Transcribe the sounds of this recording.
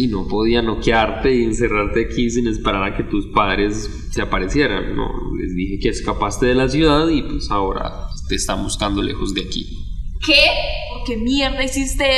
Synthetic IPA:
ino̞po̞ð̞iano̞kjaɾt̪e̞ie̞nse̞raɾt̪e̞akis̬ine̞spe̞ɾaɾake̞t̪uspaðɾe̞s | seapaɾe̞sje̞ɾa̰nːo̰le̞̰zd̪ixe̞ke̞eskapast̪e̞ðe̞las̬juðaðipwesao̞ɾa̰t̪e̞ːst̪abuskand̪o̞lʔe̞̰xo̞zd̪eakḭkepoɾkemjeɾd̪aisist̪e

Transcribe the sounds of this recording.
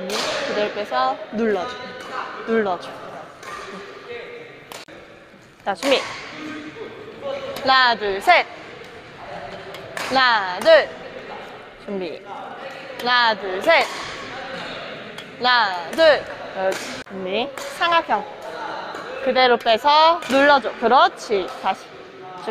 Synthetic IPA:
mikɯd̪eɾop͈esʰʌnuɭːʌd͡ʑunuɭːʌd͡ʑuɡojo | nat͡ɕʰumi | nadɯsʰet̚ | nadɯ | t͡ɕumbi | nadusʰet̚ | nadɯɭ | umːisʰaŋɡakʰjʌŋ | kɯdeɾop͈esʰʌnuɭːʌd͡ʑokɯɾʌt͡ɕʰitaɕʰi̥ | t͡ɕu

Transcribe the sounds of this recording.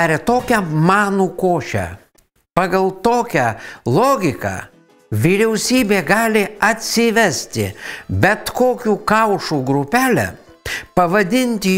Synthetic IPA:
ɾʲɛt̪oːkʲɛmɑːnuːkoːʃʲɛ̰ | pɑːɡɐlˠt̪oːkʲɛlˠoːɡʲɪkɑ̰ː | ʋʲiːɾʲɛʊsʲiːbʲeːɡɑːlʲɪɐt̪ʲsʲɪʋʲɛsʲt̪ʲɪ̰bʲɛt̪koːkʲuːkɐʊʃuːɡɾʊpʲæːlʲɛ̰ | pɐʋɐd̪ʲɪnʲt̪ʲɪ

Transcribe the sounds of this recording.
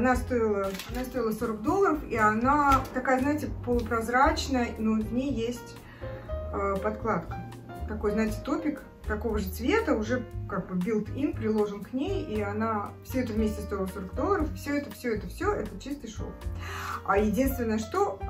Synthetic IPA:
nast̪o̞ɪlˠəanast̪o̞jɪlˠəso̞ɾəkd̪o̞lˠːəɾəfianat̪ɐkajəznaɪtʲɪpəlˠʊpɾɐzɾat͡ɕnəjənovnʲejːesʲtʲ | əpɐt̪klˠat̪kə̥ | t̪ɐko̞jznaɪtʲɪ̥t̪opʲɪk | t̪ɐko̞vəʐɨt̪svʲe̞t̪əʊʐɛkaɡ̚bɨbʲilˠt̪inpɾʲɪlˠo̞ʐənknʲejianafsʲɵɛt̪əvmʲesʲtʲɪst̪o̞ɪlˠəso̞ɾək̚d̪o̞lˠːəɾəfɨfsʲɵɛt̪əfsʲɵɛt̪əfsʲɵʔɛt̪ət͡ɕist̪ɨjʂo̰ | ajɪdʲinst̪vʲɪnːəjəʂt̪o̞

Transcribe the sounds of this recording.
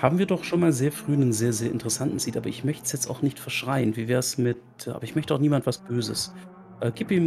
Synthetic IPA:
haːbm̩viːɐdɔχʃoːnmaːlzeːɐfʁ̥yːnənzeːɐzeːɐʔɪntəʁəsantn̩z̥iːtʔaːbɐʔɪçmœçtəsjɛt͡staʊxnɪçtfɛɐʃʁ̥aɪənviːvɛːɐsmɪt̚ | a̰ːbɐɪçmœçtəaʊxniːmantv̥asb̥øːzəs | ʔɛːɡ̥iːpiːm

